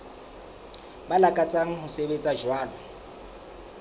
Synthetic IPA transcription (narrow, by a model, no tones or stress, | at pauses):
balakʼat͡sʼaŋ̩ɦʊsebet͡sʼaʒwaːlɔ